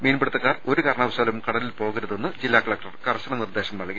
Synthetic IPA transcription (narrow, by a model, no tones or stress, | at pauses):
meːnbɐɽut̪ːɐkːaːro̞ɾukɐɾɐɳɐʋɐsaːlmkɐɽɐlilpo̞ːɣɐɾuðenːɨd͡ʑilːaːkɐɭɐkʈɐrkɐrɕɐɳɐnird̪e̞ːɕɐmnɐɭɡi